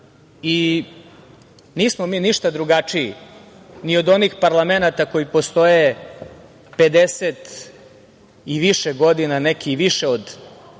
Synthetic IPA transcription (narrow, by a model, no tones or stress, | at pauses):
i | niːsmomiːniʃt̪ad̪ɾuɡat͡ʂiḭ | nio̞d̪o̞nixpaɾlˠamenat̪ako̞jipo̞st̪o̞je | pe̞d̪eset̪ | iʋiʃeɡo̞d̪inanekiʋiʃeod̪